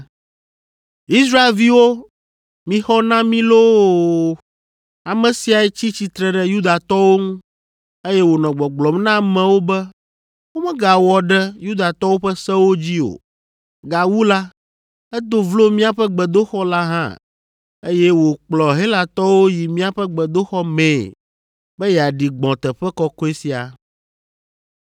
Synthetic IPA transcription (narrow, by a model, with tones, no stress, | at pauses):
i˦sɾa˦e˨lvi˦wo˦ | mĩ˨xɔ˦nã˦mĩ˦lo˦ | a˨mɛ̃˨si˨a˨ɛ˨t͡ɕi˦t͡ɕi˨t̪ɾɛ˨ɖɛ˦ju˦d̪a˨t̪ɔ˦wo˦ŋũ˦ | e˦jɛ˦wo˨nɔ̃˨ɡ͡bɔ̃˨ɡ͡blɔ˨mnã˦mɛ̃˨wo˦bɛ˦ | wo˦mɛ̃˦ɡa˨wɔ˨ɖɛ˦ju˦d̪a˨t̪ɔ˦wo˦ɸɛ˦sɛ˦wo˦d͡ʑi˦o̰˨ | ɡa˨wu˦la˦ | ɛ˦d̪o˦vlo˦mĩ˦a˨ɸɛ˦ɡ͡bɛ˨d̪o˦xɔ˦la˦ɦã̰˦ | e˦jɛ˦wo˨k͡plɔ˨ɦe˦la˨t̪ɔ˦wo˦ji˨mĩ˦a˨ɸɛ˦ɡ͡bɛ˨d̪o˦xɔ˦mɛ̃˨ | bɛ˦jɛ˨a˨ɖi˨ɡ͡bɔ̃˨t̪ɛ˨ɸɛ˦kɔ˦ko˦e˦si˨a̰˨